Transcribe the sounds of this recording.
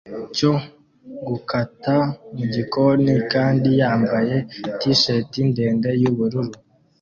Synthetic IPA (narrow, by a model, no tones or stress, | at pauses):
co̞ | ɡukatamuɟiko̞nikaːndijaːmbaje̞tiʃe̞tinde̞ːnde̞juβuɾuɾu